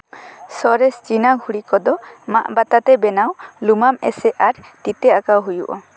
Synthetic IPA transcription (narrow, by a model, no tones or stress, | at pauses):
sɔɾɛst͡ʃinaɡʱuɽikɔd̪ɔma̰ʔbat̪at̪ɛbɛnawlumamɛ̰sɛʔaɾt̪it̪ɛakawɦujṵʔɔ